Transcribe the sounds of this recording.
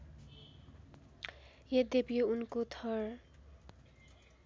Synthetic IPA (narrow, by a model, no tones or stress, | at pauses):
jed̪ebijounkot̪ʰʌr